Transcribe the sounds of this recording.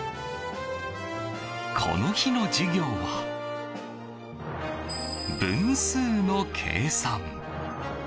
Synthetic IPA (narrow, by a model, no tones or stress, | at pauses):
kʰo̞̰no̞çino̞d͡ʑiɡʲo̞ːβa | bɯ̟̃ñsɨːno̞kʰe̞̰ːsãŋ